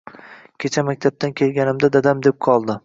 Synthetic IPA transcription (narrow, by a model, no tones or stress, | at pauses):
kʲʰet͡ʃʰamakʲt̪ʰab̚t̪ʰankʲʰe̞lɡʲanɪmd̪ad̪ad̪amd̪ep̚qʰɒlˠd̪ɪ